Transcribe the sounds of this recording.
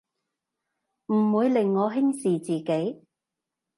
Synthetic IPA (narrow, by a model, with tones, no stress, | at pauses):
m̩˨˩wuː˨˧jlɪ˨˩ŋːɔː˨˧ɦɪ˥ŋsiː˨t͡siː˨˩ke˨˥j